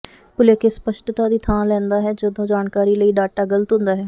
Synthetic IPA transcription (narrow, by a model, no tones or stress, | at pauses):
pʊleːkespəʃʈt̪aːd̪iːt̪ʰãːlɛ̃ːnd̪aːɦɛːd͡ʒəd̪õːd͡ʒaːnkaːɾiːləiːɖaːʈaːɡələt̪ɦʊ̃nd̪aːɦɛː